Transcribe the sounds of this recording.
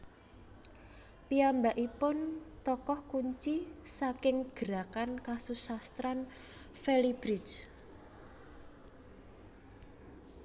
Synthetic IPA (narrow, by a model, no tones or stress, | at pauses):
piambaʔipʊnt̪ɔkɔhkuɲt͡ʃisakɪŋɡ̥ə̤ɾakankasusast̪ɾan | fɛlib̥ɾit͡ʃ